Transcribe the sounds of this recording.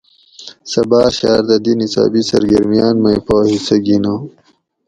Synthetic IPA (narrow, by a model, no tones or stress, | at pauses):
sɐbɑːɾɕɑːɾd̪ɐd̪inisa̰ːbisɐ̰ɾɡɐɾmijaːnmɐjpoːhisɐɡino